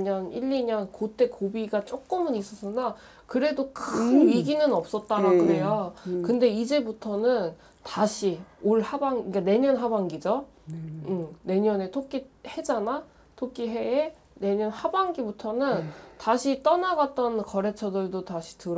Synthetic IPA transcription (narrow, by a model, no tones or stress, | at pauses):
ɲʌniʎːiɲʌnkot͈e̞kobiɡat͡ɕ͈ok͈ɯmɯnis͈ʌs͈ɯnna | kɯɾe̞dokɯiɡinɯnʌp̚s͈ʌt̚t͈aɾaɡuejokɯnde̞id͡ʑe̞butʰʌnɯn | taɕʰioɭhabaŋik͈ane̞ɲʌnɦabaŋɡid͡ʑo | ɯne̞ɲʌne̞tʰok͈ihe̞d͡ʑana | tʰok͈iɦe̞e | ne̞ɲʌnhabaŋɡibutʰʌnɯntaɕʰit͈ʌnaɡat̚t͈ʌnkʌɾe̞t͡ɕʰʌdɯɭdotaɕʰi̥tɯɾ